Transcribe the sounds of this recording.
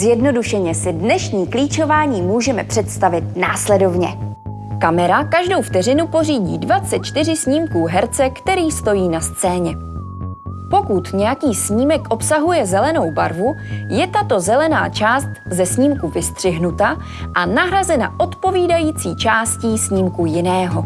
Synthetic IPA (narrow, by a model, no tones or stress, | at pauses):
zjɛdno̞duʃɛɲɛsɪdnɛʃɲiːkliːt͡ʃo̞vaːɲiːmuːʒɛmɛpr̥ɛt̪st̪avɪt̪̚naːslɛdo̞vɲɛ̰ | kamɛɾakaʒdowft̪ɛrɪnupo̞riːɟḭːdvat͡sɛt̪̚t͡ʃt̪ɪr̝ɪsɲiːmkuːɦɛɾt͡sɛkt̪ɛɾiːst̪o̞jiːnast͡sɛːɲɛ | po̞kut̪ɲɛjakiːsɲiːmɛkʔo̞psaɦujɛzɛlɛno̞wbaɾvujɛt̪at̪o̞zɛlɛna̰ːt͡ʃaːst̪zɛsɲiːmkuvɪst̪r̝̥ɪɦnut̪a | ʔanaɦɾazɛna̰ʔo̞t̪po̞viːdajiːt͡siːt͡ʃaːsciːsɲiːmkujɪnɛːɦo̞